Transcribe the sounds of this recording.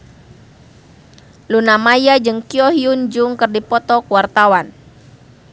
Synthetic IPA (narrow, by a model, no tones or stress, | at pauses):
lunamajad͡ʒɨŋkiɔɦiund͡ʒuŋkɨrdipɔt̪ɔkuwart̪awan